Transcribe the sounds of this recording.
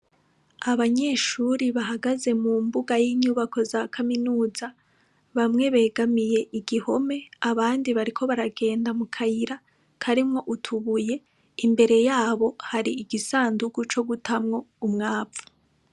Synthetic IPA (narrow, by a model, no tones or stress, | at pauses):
aβaɲe̞ːʃuɾiβaɦaɡaze̞mumbuɡajiːɲuːβako̞zakʰaminuːza | βamŋe̞βe̞ːɡamije̞ʔiɡiho̞me̞aβaːndiβaɾikʰo̞βaɾaɡe̞ːndamukʰajiɾa | kʰaɾimŋo̞ʔutʰuβuje̞ | imbe̞ɾe̞jaːβo̞haɾiːɡisaːnduɡut͡ʃo̞ɡutʰamŋo̞umŋaːpfu̥